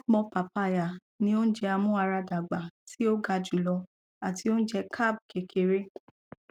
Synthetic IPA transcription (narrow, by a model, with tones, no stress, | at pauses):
k͡pɔ̃˧pa˨pa˧˨ja˨ | nĩ˧o˦n̩˦d͡ʒɛ˧a˧mũ˦a˧ɾa˧da˨ɡ͡ba˨ti˦o˦ɡa˧d͡ʒu˨lɔ˧ | a˨ti˧o˦n̩˦d͡ʒɛ˧kʰa˦˨b̚ke˨kʰe˨ɾe˦